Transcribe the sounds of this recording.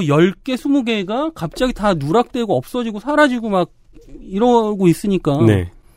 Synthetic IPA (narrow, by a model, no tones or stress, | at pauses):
jʌɭk͈e̞sʰumuɡe̞ɡakap̚t͡ɕ͈aɡitanuɾak̚t͈we̞ɡoʌp̚s͈ʌd͡ʑiɡosʰaɾad͡ʑiɡomaɡ̚ | iɾʌɡois͈ɯɲik͈anḛ